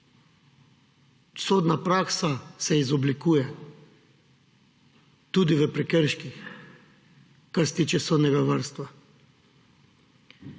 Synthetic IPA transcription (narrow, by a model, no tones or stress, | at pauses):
soːd̪napɾaksasɛizɔblikuːjɛ | t̪uːd̪iʋəpɾɛkəɾʃkix | kaɾsɛ̥t̪iːt͡ʃɛsoːd̪nɛɡaʋəɾst̪ʋa